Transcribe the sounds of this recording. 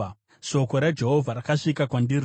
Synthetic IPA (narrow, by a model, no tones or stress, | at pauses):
ʃo̞ko̞ɾad͡ʒe̞ɦovʱaɾakaʂikakwandir